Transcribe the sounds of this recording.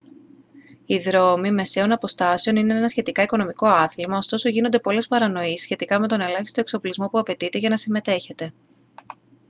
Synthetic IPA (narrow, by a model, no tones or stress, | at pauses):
iðɾo̞mime̞se̞o̞nɐpo̞st̪ɐse̞o̞nine̞enɐsçe̞t̪ikɐiko̞no̞miko̞ɐθlmɐo̞st̪o̞so̞ʝino̞nd̪e̞po̞le̞spɐɾɐno̞issçe̞t̪ikɐme̞t̪o̞ne̞lɐçist̪o̞ekso̞plizmo̞puɐpe̞t̪it̪e̞ʝɐnɐsime̞t̪e̞çe̞t̪e̞